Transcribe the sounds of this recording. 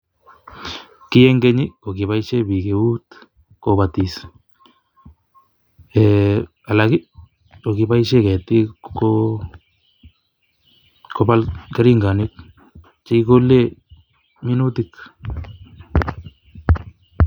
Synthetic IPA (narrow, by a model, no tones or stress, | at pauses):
kijeŋɡeɲikokiβajʃebikeut̪ | koβat̪is | e | alaki | okipajʃeket̪io | kopalkeɾiŋɡanik | t͡ʃejkole | minut̪ik